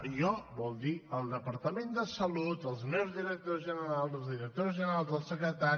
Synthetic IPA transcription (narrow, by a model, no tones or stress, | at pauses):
ɔbɔlˠd̪iəlˠd̪əpəɾt̪əmend̪əsəlut̪əlˠzmewzðiɾək̚t̪ozʒənəɾalˠzəlˠzðiɾək̚t̪ozʒənəɾalˠzðəlˠsəkɾət̪a